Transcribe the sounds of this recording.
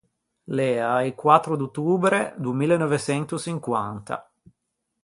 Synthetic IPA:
lɛaikwat̪ːɾod̪ot̪ːuːbɾed̪uemiːlenɔvet͡ʃɛnt̪ut͡ʃiŋkwa̰nt̪a̰

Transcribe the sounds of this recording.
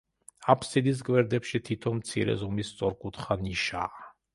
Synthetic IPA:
apʰsid̪is̬ɡʼwɛɾd̪ɛpʃit̪ʰit̪ʰɔmt̪sʰḭɾɛ̰zɔmist̪sʼɔɾkʼut̪χaniʃa̰

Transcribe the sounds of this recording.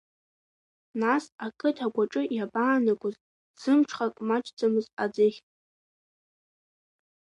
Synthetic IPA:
nasakʼɨtʰaɡʷaʈ͡ʂʼɨjabaːnakʷʼʊz | z̥ɨmʈ͡ʂʰχakʼmat͡ʃʰʼd͡zamɨzad͡zɨχʲʼ

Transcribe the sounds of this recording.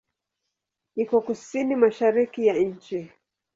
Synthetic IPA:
ikɔkusinimaʃaɾikijaɲ̩t͡ʃi

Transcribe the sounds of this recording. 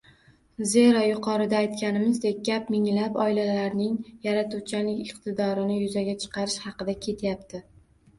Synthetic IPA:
ze̞ɾɒjʊqʰɒɾɪd̪aːjt̪kʲanɪmɪzd̪ek̚ʲɡʲapmɪŋlapɒjlalaɾnɪŋjaɾat̪ut͡ʃʰalɪkʲɪqt̪ʰɪd̪ɒɾɪnɪjʊzaɡʲat͡ʃʰɨ̥qʰɑɾɪʃhɑqɨd̪akʲʰe̞t̪ʰjap̚t̪ʰɪ

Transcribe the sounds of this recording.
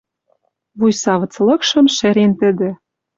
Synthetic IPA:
βujsɑβɤ̆t͡slɤ̆kʃɤ̆mʃĕɾent̪ɘ̆d̪ɘ̆

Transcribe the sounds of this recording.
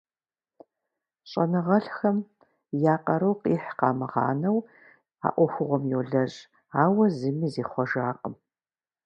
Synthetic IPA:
ɕʼɐnɨʁɐɬxɐm | jaːqɐɾɐwqʼiːħqɑːmɨʁɑ̰ːnɐw | a̰ːʔʷɔxʷʊʁʷɔmjoɮɐɕʼ | aːwɐzɨmiːzeːχʷɔʒaːqʼəm

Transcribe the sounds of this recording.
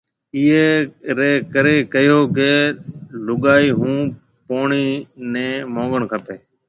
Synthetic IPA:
iːeːɾeːkəɾeːkəjoːkeːlʊɠaːiːɦũː | poːɳiːnẽːmõːʋəɳkʰəp̪eː

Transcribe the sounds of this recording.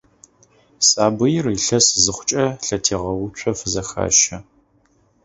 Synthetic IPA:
sʼaːbɨjɪriɬɐszɨχʷʊt͡ʃʼɐɬɐtʰeːʁɐwʊt͡ʃʷʰɔfɨzɐxa̰ːʃɐ

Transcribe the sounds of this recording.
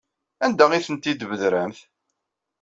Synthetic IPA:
ænd̪æʁiθənt̪id̪vðɾəmθ

